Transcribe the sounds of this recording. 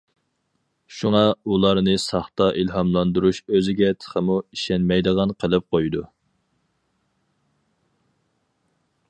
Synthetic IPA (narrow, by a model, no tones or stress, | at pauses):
ʃuŋɑulˠɑɾnɨsɑχt̪ɑʔilɦɑmlˠɑnd̪uɾuʃøzɪɡʲɛt̪ʰə̥χʰəmuiʃɛnmɛjd̪əʁɑnqʰəlˠɨp̚qʰojd̪u